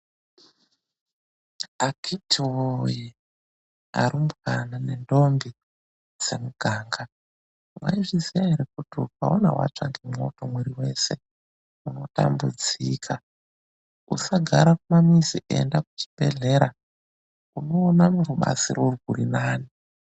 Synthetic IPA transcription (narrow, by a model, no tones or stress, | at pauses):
akʰitʰiwoji | a̰ɾimkanane̞ndo̞mbi | d͡ze̞muɡʱaːŋɡa | wwa̰iʐizijaɦeɾek̚utiuka̰ona̰wa̰t͡ʂa̰ŋɡemo̰to̞mweɾiwe̞se̞ | uno̞ta̰mbṵd͡zikʰa | ṵsaɡʱaɾakumamiziʔḛndakut͡ʃi̥be̞̰ɮe̞ɾa | uno̞ːnamuɾuɓa̰zḭrorɡurinaːni